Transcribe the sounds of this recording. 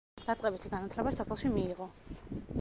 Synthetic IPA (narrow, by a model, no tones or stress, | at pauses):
d̪̥at̪sʼqʼɛbit̪ʰiɡanat̪ʰlɛbasɔpʰɛlˠʃimiːʁɔ